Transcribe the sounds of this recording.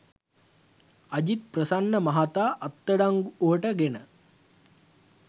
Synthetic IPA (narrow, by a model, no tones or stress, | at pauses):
ɐd͡ʑit̪̚prəsanːəmɐɦat̪aːʔɐt̪ːəɖaŋɡuuɦəʈəɡenə